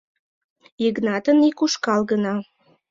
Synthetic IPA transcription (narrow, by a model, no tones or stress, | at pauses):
iɣnɑt̪ənikuʃkɑlɣənɑ